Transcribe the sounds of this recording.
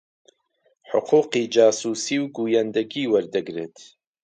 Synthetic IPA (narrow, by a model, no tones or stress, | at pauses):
ħʊ̰qʰuːqiːd͡ʒaːsuːsiːwɡuːjand̪ɐɡiːwɐɾd̪ɨɡɾeːt̪ʰ